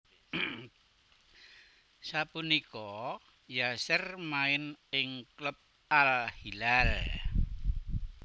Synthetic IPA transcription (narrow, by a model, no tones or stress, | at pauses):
sapunikɔ | jasərmaɪnɪŋklʊp̚ | alhilal